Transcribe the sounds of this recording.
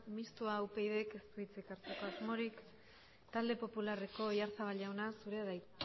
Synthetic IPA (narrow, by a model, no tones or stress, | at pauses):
mist̪uaːwpe̞jðeke̞st̪uit͡sikaɾt͡seko̞azmo̞ɾik | t̪ald̪e̞po̞pulare̞ko̞iaɾt͡saβaʎawnasuɾe̞aðaj